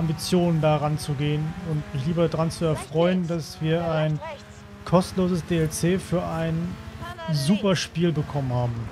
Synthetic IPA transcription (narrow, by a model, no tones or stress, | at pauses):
ʔambit͡sjoːnəndaːʁant͡suɡeːənʊntmɪçliːbɐdʁant͡suɛɐfʁ̥ɔʏəndasv̥iːɐaɪn | kʰɔstn̩loːzəsd̥eːɛlt͡seːfyːɐʔaɪn | zuːpɐʃpiːlbəkʰɔmənhaːbm̩